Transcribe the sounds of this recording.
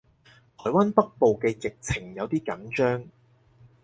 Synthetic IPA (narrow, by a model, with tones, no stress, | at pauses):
t̪ʰɔː˨˩jwaː˥npɐ˥k̚po˨wkɛː˧jɪ˨k̚t͡sʰɪ˨˩ŋjɐ˨˧wt̪iː˥kɐ˨˥ŋt͡ʃœː˥ŋ